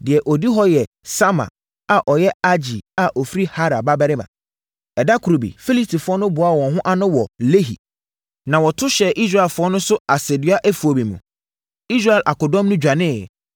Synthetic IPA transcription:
dɪ˨ɛ˨ʔɔ˨di˦ɦɔ˦jɛ˨ | sa˦mã̰˨ | a˨ʔɔ˨jɛ˦a˦d͡ʑi˨a˨ʔɔ˨fi˦ɾi˦ha˦ɾa˨ba˦bɛ˦ɾɪ˦mã̰˨ | ɛ˨da˦kʰu˨ɾo˨bḭ˨fi˦li˦stʰi˨fʊ˦ɔ˦nʊ̃˦bʊ˨a˦˨wɔ̃˨ɦʊ̃˦ʔa˦nʊ̃˦wɔ˨le˦ɦḭ˨ | nã˨wɔ˨tʰʊ˦ɕɛ˨ʔi˦s̬ɾa˦˨ɛ˨lfʊ˦ɔ˦nʊ̃˦sʊ˦a˨sɛ˨dɪ˨˦a˦ʔæ˦fu˨o˨bĩ˨mṵ̃˨ | i˦s̬ɾa˦ɛ˨lʔa˨kʊ˨dɔ̃˦mnʊ̃˦d͡ʑᶣa˨nɪ̃˦˨ɛ˨

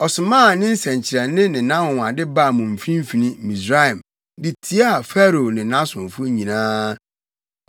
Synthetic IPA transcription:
ɔ˨sʊ˨mãː˦˨nɪ̃˦n̩˦sɛ̃˨ɲ˨t͡ɕʰɪ˨ɾɛ˨nɪ̃˦nɪ̃˨nã˦hʊ̃˨a˨dɪ˦ba˦˨mʊ̃˨m̩˨fĩ˦m̩˦fi˨nĩ˦mĩ˨sɾa˦ɛ˨m | di˨tʰi˦a˦˨fɛ˦ɾo˨nɪ̃˨nã˦sʊ̃˨fʊ˦ɲĩ˨nãː˦

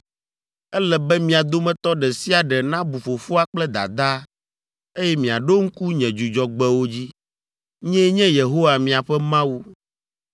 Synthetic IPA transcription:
ɛ˦lɛ˨bɛ˦mĩ˨a˨d̪o˦mɛ̃˦t̪ɔ˦ɖɛ˨si˦a˨ɖɛ˨nã˦bu˨fo˨fo˦a˦k͡plɛ˦d̪a̰˨d̪a˦ | e˦jɛ˦mĩ˨a˨ɖo˦ŋ̩˦ku˦ɲɛ̃˨d͡ʒu˨d͡ʒɔ˨ɡ͡bɛ˦wo˦d͡ʑi˦ | ɲɛ̃˦ɲɛ̃˦je˨ɦo˦wa˨mĩ˨a˨ɸɛ˦mã˦wu˦

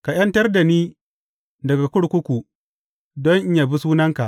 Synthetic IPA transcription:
ka˨j̰ɐ˦ntɐ˦rda˨niː˦ | dɐ˨ɡa˨kʷʊ˦ɽkʷʊ˦kʷu˨ | dɔ˦ŋʔja˨bi˦suː˦nɐ˦ŋka˨ʔ

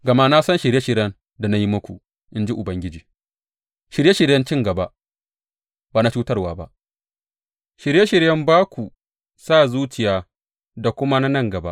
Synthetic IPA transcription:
ɡɐ˨ma˦na˦sɐ˦nʃɪ˨ɾje˦ʃɪ˨ɾjɐ˦n | da˨na˦ji˦mɐ˦kʷu˨ | ʔɪ˦nd͡ʒi˦ʔʊ˨bɐ˦ŋɡʲɪ˦d͡ʒiː˨ | ʃɪ˨ɾje˦ʃɪ˨ɾjɐ˦nt͡ʃɪ˦ŋɡɐ˨ba˦ʔ | baː˨na˦t͡ʃuː˦tɐ˦rwaː˨ba̰˦ʔ | ʃɪ˨ɾje˦ʃɪ˨ɾjɐ˦mbaː˦kʷu˨ | saː˦˨zuː˦t͡ʃɪ˨jaː˨ | da˨kʷʊ˦ma˦na˦nɐ˦˨ŋɡɐ˨ba̰˦ʔ

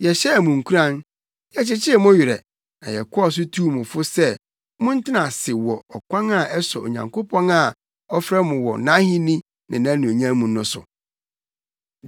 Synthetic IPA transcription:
jɛ˨ɕɛ˦˨mʊ̃˨ŋ̩˨kʰu˦ɾã˦n | jɛ˨t͡ɕɪ˦t͡ɕʰɪ˦˨mʊ̃˦ɥɪ˨ɾɛ̰˨ | nã̰˨jɛ̰˨kʰʊ˦ɔ˦˨s̬ʊ˦tʰu˦mʊ̃˨fʊ˦sɛ˦ | mʊ̃˦n̩˦tʰɪ˦nã˨sɪ˨wɔ˨ɔ˨kʰʷã˦na˦˨ʔɛ˦sɔ˨o̰˨ɲã˨ŋkʰo˦pʰɔ̃˦na˨ | ɔ˦fɾɛ˦mʊ̃˨wɔ̰˨nã˦hĩ˦nĩ˦ | nɪ̃˨nã˦nũ˨o˨ɲã˦mũ˨nʊ̃˦sʊ̰˨

